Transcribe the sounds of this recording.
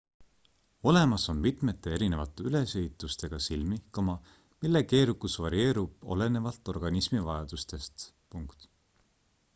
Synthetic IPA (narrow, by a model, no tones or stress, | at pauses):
o̞le̞mɑso̞nmit̪ˑme̞t̪ːˑe̞e̞ɾine̞vɑt̪ːˑe̞yle̞se̞it̪ːˑust̪e̞ɡ̥ɑsilmihkːɑmɑ | milːe̞ke̞ːɾukusvɑɾie̞ːɾub̥o̞̰lene̞vɑlt̪ːˑo̞rɡ̥ɑnismivɑjɑd̪̥ust̪e̞st̪ | puŋkt̪